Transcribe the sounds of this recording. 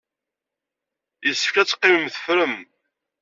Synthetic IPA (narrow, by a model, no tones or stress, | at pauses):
jəsːə̥fkæt͡sːqːiməmθə̥fɾəm